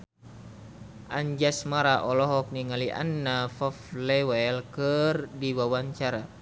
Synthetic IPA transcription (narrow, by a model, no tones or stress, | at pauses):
ʔaɲd͡ʒasmaɾaʔɔlɔɦɔk̚niŋaliʔa̰nːafɔflɛwɛlkərdiwawaɲt͡ʃaɾa